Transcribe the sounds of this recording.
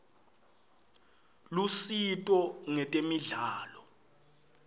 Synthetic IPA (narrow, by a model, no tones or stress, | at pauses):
lusitʼɔŋɛtʼemiɮaːlɔ